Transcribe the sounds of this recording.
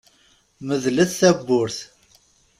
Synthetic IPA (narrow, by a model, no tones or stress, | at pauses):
məðləθθæbːʊɾθ